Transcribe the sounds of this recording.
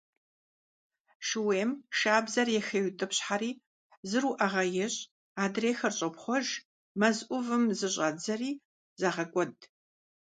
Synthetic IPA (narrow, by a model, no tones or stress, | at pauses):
ʂɨweːmʃaːbzɐrjɛxewtʼɨpɕħaɾiː | zɨruʔɐʁɐjɛɕʼ | aːdreːxɐrɕʼɐpχʷɔʒ | mɐzʔʷʊvɨmzɨɕʼaːd͡zɐriː | zaʁɐkʷʼɔd